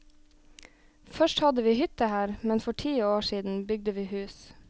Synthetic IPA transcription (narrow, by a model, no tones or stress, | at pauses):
fœʃʈhɑd̪əʋiːhʏt̪əhæːɾmɛnfɔʈʰiːoːʃiːd̪n̩bʏɡ̚d̪əʋiːhʉːs